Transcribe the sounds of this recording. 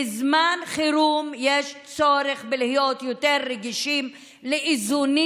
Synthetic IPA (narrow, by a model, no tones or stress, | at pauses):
ezmanχiɾumjeʃt͡soɾeχbelihijot̪joteɾːeɡiʃim | leʔizuni